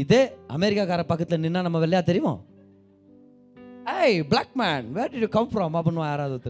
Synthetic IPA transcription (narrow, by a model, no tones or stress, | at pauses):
ɪðeːɐmɛɾɪkːaːkaːɾɐpɐkːɐt̪ːɪlɐnɪnːaːnɐmːɐʋɛɭːɐjaːt̪ɛɾɪʋɔ̰̃ | eɪblaːk̚mæːnʋeːɾɖɪjukɐmfɾɔːmɐpːɐnʋãjaːɾaːðɯʋɐt̪ː